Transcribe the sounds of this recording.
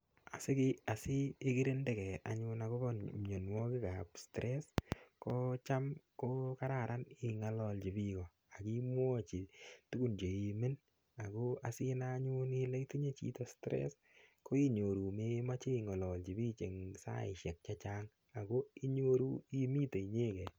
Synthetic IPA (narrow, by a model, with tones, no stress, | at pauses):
a̰˨sɪ˦kɪ˦a˨si˦e˦ki˦ɾe˦ndɛ˦˨kɛ˨a̰˨ɲʊ˧na˨ko˦bɔɲo˨nwɔ˦kɪ˦ka˨pstɾʔɛ˦sko˦t͡ʃa˦mko˦ka˦ɾa˨ɾa˦ni˨ŋa˨lɔlt͡ʃi˨bikɔ˨ | a˨ki˦mwɔ˦t͡ʃi˨tu˦ɡu˨nd͡ʒe˨i˨me˦n | a˨ko˦a˨si˦na˦ɲu˦ni˦le˦iti˦ɲe˦t͡ʃḭ˦tɔ˦stɾɛ̰˦s | ko˦i˦ɲo˨ɾu˨me˦ma˦t͡ʃe˦˨ŋa˨lɔ˨lt͡ʃi˨bi˦t͡ʃe˨ŋsa̰˦ɪ˨ʃɛ˨k̚t͡ʃat͡ʃaː˦ŋ | a˨ko˦i˦ɲo˦ɾu˦i˦mi˦te˨i˨ɲe˦kɛ˨